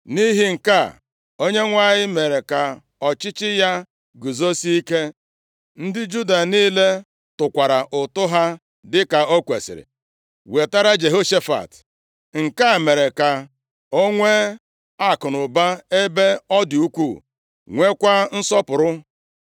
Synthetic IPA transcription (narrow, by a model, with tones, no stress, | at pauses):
ni˦ɦi˦ŋ̩˨ka˦˨ | o˦ɲe˦ŋʷa˦˨ɲɪ˦me˨ɾe˨ka˨ | ɔ˨t͡ʃɪ˦t͡ʃɪ˦ja˦ | ɡu˨zo˦si˦i˦ke˦ | n̩˦dɪ˦d͡ʒu˦da˨niː˦le˦ | tʊ˨kʷa˨ɾa˨ʔʊ˨tʊ˦ɦa˦ | dɪ˦ka˨o˦kʷe˨sɪ̰˨ɾɪ̰˨ | we˨ta˦ɾa˦d͡ʒe˨ɦo˦ʃe˦fa̰˨t | ŋ̩˨ka˦˨me˨ɾe˨ka˨ | o˦ŋʷe˦ | a˦˨kʊ˨nʊ˨ba˦e˦be˦ɔ˦du˦kʷu˦˨ | ŋʷe˦kʷa˦n̩˦sɔ˦pʊ˨ɾʊ˦